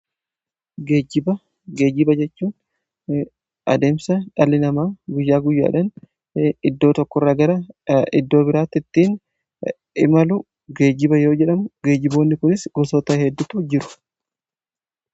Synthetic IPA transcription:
ɡeːd͡ʒɪbɐ | ɡe̞ːd͡ʒɪbɐd͡ʒɛt͡ʃːuːn | ʔɐ̰d̪e̞ːmsɐᶑɐlːɪnɐmaːɡʊjːaːɡʊjːa̰ːᶑɐn | ɪd̪ːo̞ːt̪ɔkːɔrːaːɡɐɾɐɪd̪ːo̞ːbɪɾaːt̪ːɪt̪ːiːn | ɪmɐlʊ | ɡe̞ːd͡ʒːɪbɐjo̞ːd͡ʒɛᶑɐmʊɡe̞ːd͡ʒːɪbo̞ːnːɪkʊnɪsɡɔsot̪ɐhɛd̪ːʊt̪ʊd͡ʒɪɾʊ̥

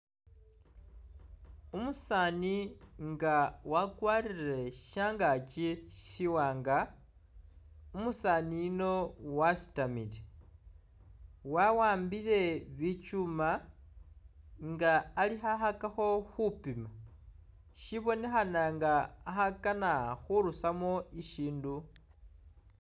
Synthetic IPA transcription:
umusaːniŋɡawakwaːrire̞ʃaːŋɡat͡ʃiʃiwaːŋɡa | umusaːnino̞wasi̥tamile | wawaːmbile̞βit͡ʃuma | ŋɡaːlixahakaxo̞xupima | ʃiβo̞ne̞xanaŋɡaːhakanaxuɾusamoiʃiːndu

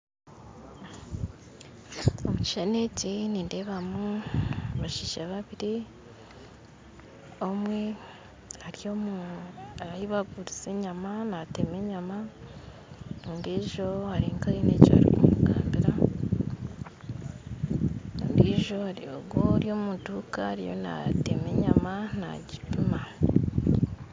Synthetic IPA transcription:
o̰muci̥ʃaneciniːnde̞βamu | βaʃiʃaβaβiɾi | omwe | haɾio̞muaɾaiβaɡuɾit͡seɲamanate̞meɲama | nundiːʒo̞haɾiŋkaiːneco̰ha̰ɾḭkumṵɡa̰ːmbiɾa | ndiːʒo̞haɾijoɡoɾjo̞mutukaɾijo̰na̰teme̞ɲamana̰ɟipima

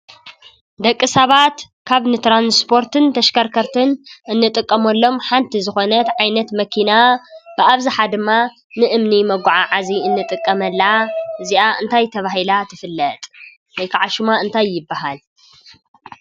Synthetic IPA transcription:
d̪ɐkʼːɨsɐβat̪ | kʰaβnɨt̪ɾanspʰo̞ɾt̪ʰɨnt̪ʰɐʃkɐɾkʰɐɾt̪ʰɨnʔɨnːɨt̪ʼɨkʼːɐmɐlːo̞mħant̪ʰizɨxo̞nɐt̪ʕajnɐt̪mɐkʰinab̥ɨaβzɨħad̪ɨmːa | nɨʔɨmnimɐɡʷʕaʕaziɨnːɨt̪ʼɨkʼːɐmɐlːaʔɨziʔaʔɨnt̪ʰajt̪ʰɐβaɦilat̪ʰɨfɨlːɐt̪ʼ | wɐjkʰaʕaʃɨmaɨnt̪ʰajːɪbːaɦal

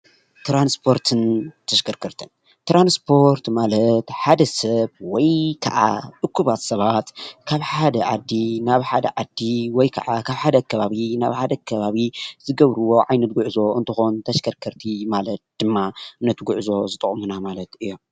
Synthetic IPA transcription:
t̪ɾanspʰo̞ɾt̪ʰɨnt̪ʰɐʃkʰɐɾkʰɐɾt̪ʰɨn | t̪ɾanspʰo̞ɾt̪malɐt̪ħad̪ɐsɐβwɔjkʰɐ̰ʔa̰t̪ʼɨkʰːuβat̪sɐβat̪kʰaβħad̪ɐʕad̪ːinaβħad̪ɐ̰ʕad̪ːiwɔjkʰɐ̰ʕakʰaβħad̪ɐkʰːɐβaβina̰βħad̪ɐkʰɐβaβizɨɡɐβɾɨwo̞ʕajnɐt̪̚ɡuʕɨzo̞ɨnt̪ʰɨxo̞nt̪ʰɐʃkʰɐɾkʰɐɾt̪ʰimalɐt̪̚d̪̥ɨmːaɨnːɐt̪ʰɨɡuʕzo̞zɨt̪ʼɨχʼmunamalɐt̪ɨjːom

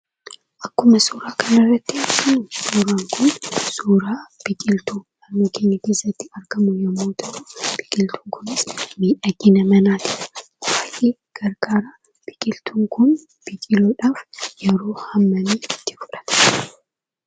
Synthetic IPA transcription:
ʔɐkːʊmɐsuːɾaːkɐnɐrːɐt̪ːɪɐɾɡɐmʊsuːɾaːŋkʰʊnsuːɾaːb̥ɪkʼɪlt̪ulɐnnoːke̞ːɲːɐke̞ːsːɐt̪ːɪɐɾɡɐmʊjɐmːoːt̪ʰɔʔuːb̥ɪkʼɪlt̪ʰuːŋkʰʊnɪsmiːᶑɐɡɪnɐmɐnaːt̪ɪ̥ɐ̥ | waːʔeː | ɡ̥ɐɾɡaːɾa | b̥ɪkʼɪlt̪ʰuːŋkʊn | b̥ɪkʼɪloːᶑaːfjɛɾoːhɐmːɐniːɪt̪ːɪ̥fʊ̥ᶑɐ̥t̪ɐ̥

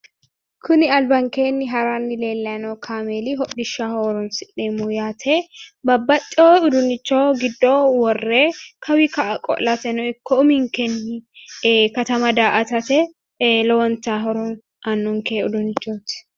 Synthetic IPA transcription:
kʰʊnɪɐlbɐŋkeːnːɪɦɐɾaːnːɪle̞ːlːɐnoːkʰaːmeːliɦɔᶑːɪʃːahoːɾɔnsɪʔeːmujaːt̪ʰebɐbːɐt̪ʼːoːʊd̪ʊnɪt͡ʃːoːɡɪd̪ːoːwɔrːeːkʰɐwikɐʔɐkʼɔ̰ʔlːɐt̪ɛnɔɪkːɔʊmɪŋkɛnːɪ | kɐt̪ɐmɐd̪aːʔɐt̪ɐt̪ɛ | lɔwɔnt̪aːɦɔɾʊn | ʔɐnːʊŋkeːʊd̪ʊnɪt͡ʃːoːt̪ɪ̥

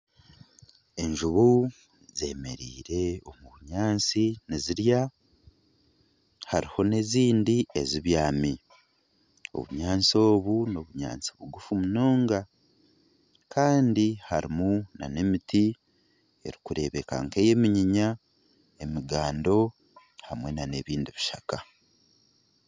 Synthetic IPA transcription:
e̞ɲʒuβu | ze̞̰ːme̞̰ɾḭːɾe̞o̞muβuɲaːnt͡siniziɾja | haɾiho̞ne̞ziːndie̞ziβjaːmi | o̰βṵɲaːnt͡so̞ːβuno̞βuɲa̰ːnt͡siβuɡufumuno̞ːŋɡa | kʰaːndihaɾimuna̰ne̞miti | e̞ɾikuɾe̞βe̞ka̰ŋke̞je̞miɲiɲa | e̞miɡaːndo̞ | hamwe̞nane̞βiːndiβiʃaka

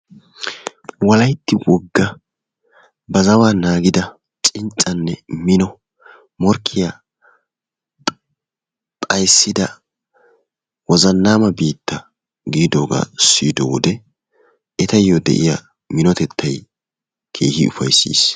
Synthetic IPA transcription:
wɐlɐjt̪ːɪwɔɡːɐ | bɐzɐwaːnaːɡɪd̪ɐ | t͡ʃʼɪnt͡ʃʼɐnːɛmɪnɔ | mɔɾkʰːɪja | t̪ʼɐjsːɪd̪ɐ | wɔzɐnːaːmɐbiːt̪ːɐ | ɡiːd̪oːɡa̰ːsiːd̪ɔwɔd̪ɛ | ɛt̪ɐjːod̪ɛ̰ʔɪ̰ja̰ː | mɪnɔt̪ɛt̪ʰːɐj | kʰe̞̰ːhɪ̰ʊfɐjsːḭːs

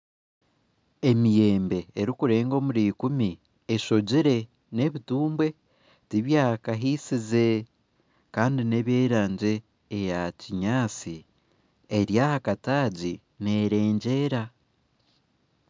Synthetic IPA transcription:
e̞mije̞ːmbe̞ːɾikuɾe̞ːŋɡo̞ːmuɾiːkumi | eʃo̞ɟiɾe̞ | ne̞βituːmbwe̞ | tiβjaːhkaɦiːsize̞ | kaːndine̞βje̞ːɾaːɲɟe̞ː | jaciɲaːt͡si | e̞ɾjahakataːɟi | ne̞ːɾe̞ːɲɟe̞ːɾa

